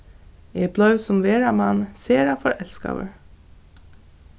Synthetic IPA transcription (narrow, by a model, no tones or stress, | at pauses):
eːblɑʉsʊmʋeːɹɑmɑnseːɾɑfɔɹʔɛlskɑ̰ʋə̰ɹ